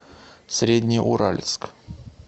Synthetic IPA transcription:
sʲɾʲed̪ʲnʲɪjʔʊ̰ɾalʲɪ̰t̪sk

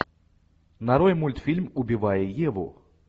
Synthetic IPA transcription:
naɾɔjmulʲt̪fʲilʲmʊbʲɪvajɛjɛvɔ̰

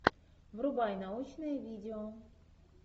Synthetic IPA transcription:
vɾʊbajnaut͡ɕnɨjɛvʲidʲɪɔ

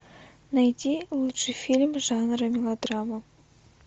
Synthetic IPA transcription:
najt̪ʲilˠut̪ʂɨjfʲilʲmʐɑnɾəmʲilˠod̪rɑma

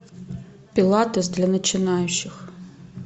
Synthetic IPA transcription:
pʲilˠat̪ɔs̬d̪lʲɐnɐt͡ʃɪnajʊt͡ʃɪx

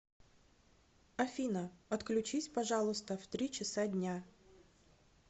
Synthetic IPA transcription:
ɐfʲinəɐt̪klʲʉt͡ɕisʲpɐʐɑlˠʊst̪əft̪ɾʲit͡ɕɪsadʲnʲa

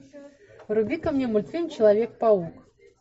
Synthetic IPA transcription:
ɾubʲikɐmnʲɛmulʲt̪sɨnʲt͡ɕɪlˠavʲek̚pauk

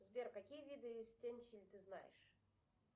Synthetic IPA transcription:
zbʲerkɐkʲijəvʲid̪ɨsʲtʲenʲsʲilʲt̪ɨzna̰jɪ̰ʂ

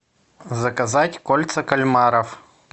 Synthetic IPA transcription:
zɐkɐzatʲkolʲt̪sɐkɐlʲmaɾɐf

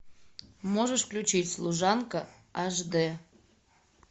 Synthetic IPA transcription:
moʒəʃklʲut͡ɕitʲslˠuʒɑnkə | ɑʒd̪e

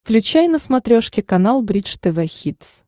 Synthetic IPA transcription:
klʲʉt͡ɕæjnəsmɐt̪ɾʲoʂkʲɪkɐnalˠbɾʲit͡ʂt̪ɛvɛxʲit̪s

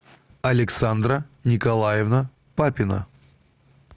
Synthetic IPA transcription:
ɐlʲɪksand̪ɾənʲɪkɐlˠajɪvnə | papʲɪnə̰

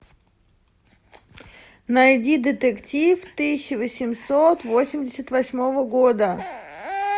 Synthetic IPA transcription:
nɐjdʲid̪ʲət̪əktʲift̪ɨsʲɪɕːɪvəsʲɪmsot̪vo̞sʲɪmʲdʲɪsʲət̪vɐsʲmo̞vəɡo̞d̪ə

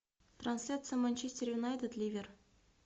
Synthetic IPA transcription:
t̪ransʲlʲat̪sɨjəmanʲt͡ɕesʲtʲerjunajt̪et̪lʲivʲer

